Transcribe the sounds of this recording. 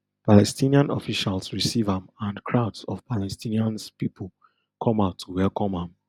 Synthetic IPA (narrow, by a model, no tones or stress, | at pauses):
palɛstĩniãnɔfiʃalsɹisivãmãnkʰɹaʊdsɔv̥palɛstʰĩniãnspipʰol | kʰɔ̃maʊtʰːuwɛlkʰɔ̃mãm